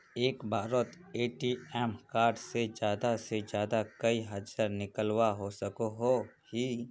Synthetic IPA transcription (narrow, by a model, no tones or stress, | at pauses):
eːkbaːɾot̪eːʈiɛːmkaːɾɖsed͡ʒjaːd̪ased͡ʒjaːd̪akəiɦɐd͡ʒəɾnɪkəlwaɦosəkoɦo | hi